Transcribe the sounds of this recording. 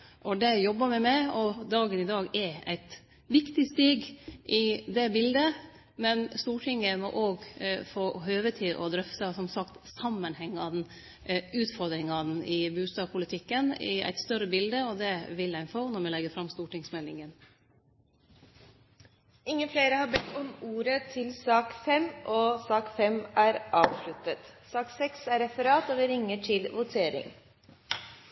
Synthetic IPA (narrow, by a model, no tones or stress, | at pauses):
ʔɔd̪ɛjɔbːəmɛmæɪɔd̪ɑːɡənɪd̪ɑːɡɛɾæ̰ɪt̪ | ʋɪkt̪ɪst̪iːɡʔɪd̪ɛbɪld̪ə | mɛnst̪uːʈʰɪŋəmɔ̰ʔoːɡfoːɦøːʋət̪ʰɪlʔɔ̰d̪ɾœft̪ɑsɔmsɑkt̪sɑmːənhɛŋːɑd̪̩ | ʉːt̪fɔɾd̪ɾɪŋɑnɪbʉːst̪ɑːpʰʊlɪt̪ʰɪkːənɪ̰æ̰ɪt̪st̪œɾəbɪld̪əɔd̪ɛʋɪlæɪnfoːnɔɾmɛlɛɡəfɾɑmst̪uːʈɪŋsmɛlːɪŋən | ɪŋːənfleːɾəhɑɾbɛt̪ːɔmuːɾət̪ʰɪlsɑːkfɛmʔɔsɑːkfɛmʔæːɾʔɑːʋʃlʉt̪ət̪sɑːksɛksæɾɛfəɾɑːt̪ɔːʋɪɾɪŋːəʈʰɪlʋʊt̪ʰeːɾɪ̰ŋ